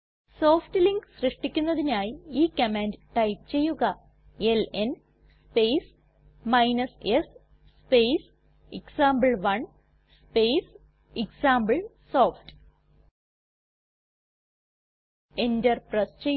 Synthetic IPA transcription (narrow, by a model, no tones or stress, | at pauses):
soːfʈɨliŋkɕrɨʂʈikʲːunːɐðinaːjiiːkːɐmeːndʈɐjpt͡ɕe̞jːuɣɐ | elen | spejs | mɐjnɐses | spejs | eksaːmbɐɭʋɐɳ | spejs | iksaːmbɐɭsoːfʈ | endɐrprɐst͡ɕe